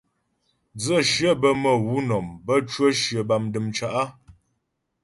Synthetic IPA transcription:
d͡zə˦˨ʃə˦bə˦mə˨wu˦nɔ˨mbə˦t͡ʃwə˦ʃjə˨ba˨mdɨ˨mt͡ʃa˨ʔa˦

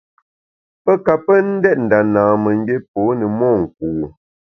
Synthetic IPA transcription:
pə˦ka˨pə˦n̩˦dɛ˦t̚n̩˨da˨naː˨mə˨ŋ˦e˦p̚oː˨˦nə˨mɔː˦˨ŋ̩˨k̚u˨

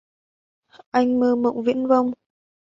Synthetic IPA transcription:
ʔa˧jŋ̟məː˧mə̰˧˨wŋ͡mvḭ˧˥ənvə˧wŋ͡m

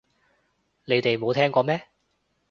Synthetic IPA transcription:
le˨˧jt̪e˨jmo˨˧wt̪ʰɛː˥ŋkɔː˧mɛː˥

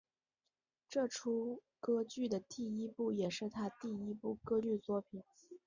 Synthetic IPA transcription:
ʈ͡ʂɤ˥˩ʈ͡ʂʰu˥ | kɤ˥t͡ɕy˥˩d̪ə˩t̪i˥˧i˥pu˥˩jɛ˨˩ʂɻ̩˥˩t̪ʰa˥t̪i˥˩i˥pu˥˩kɤ˥ly˥˧t͡swɔ˥˩pʰi˨˩˦n

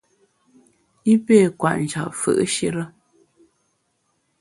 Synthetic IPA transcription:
i˦pe˦˨kwa̰˨ʔn˨d͡ʒa̰˨p̚fə̰˦˨ʔʃi˦ɾə˦

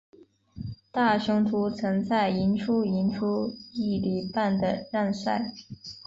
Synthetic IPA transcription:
t̪a˥˩ʂɤ˥ŋt̪ʰu˧˥t͡sʰɤ˧˥ŋt͡sa˥˩ɪi˧˥nʈ͡ʂʰu˥i˧˥nʈ͡ʂʰu˥i˥˩li˨˩pa˥˩nd̪ə˩ɻa˥˧nsa˥˩ɪ

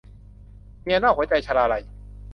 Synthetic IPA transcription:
mi˧ə˧naː˥˩hu˩˦t͡ɕa˧jt͡ɕʰa˧laː˧la˧˩j

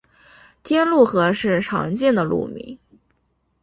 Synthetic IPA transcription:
t̪ʰjɛ˥nlu˥˩xɤ˧˥ʂɻ̩˥˩ʈ͡ʂʰɑ̰˧˥ŋt͡ɕjɛ˥˩nd̪ə˩lṵ˥˩mḭ˧˥ŋ

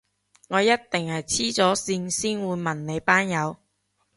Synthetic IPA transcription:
ŋɔː˨˧jɐ˥t̚t̪ɪ˨ŋhɐ˨jt͡sʰiː˥t͡sɔː˨˥siː˧nsiː˥nwuː˨˧jmɐ˨˩nne˨˧jpaː˥njɐ˨˧w

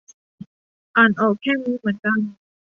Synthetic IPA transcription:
ʔaː˨˩nʔɔː˨˩kʰːɛː˥˩muː˧˥mɯ˨˩˦ənka˧˥˩n

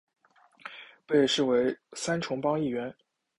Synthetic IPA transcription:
pe˥˧ɪʂɻ̩˥˩we˧˥ɪsa˥nʈ͡ʂʰʊ˧˥ŋpɑ˥ŋi˥˩ɥɛ˧˥n

